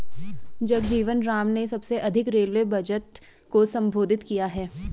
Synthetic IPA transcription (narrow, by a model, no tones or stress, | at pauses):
d͡ʒɐɡd͡ʒiːʋənɾaːmnesɐbseʔɐd̪ʱɪkɾeːlʋebʱɐd͡ʒət̪ | kosɐ̃mbʱoːd̪ʱɪt̪kijaɦɛː